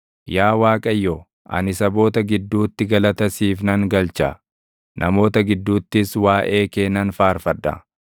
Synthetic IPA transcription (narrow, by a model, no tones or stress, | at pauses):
jaːwaːkʼɐjːɔ | ʔɐ̰nɪsɐbo̞ːt̪ɐɡɪd̪ːuːt̪ːɪɡɐlɐt̪ɐsiːfnɐŋɡɐlt͡ʃɐ | nʔɐmo̞ːt̪ɐɡɪd̪ːuːt̪ːɪswaːʔe̞ːkeːnːɐnfaːɾfɐd̪ːɐ̰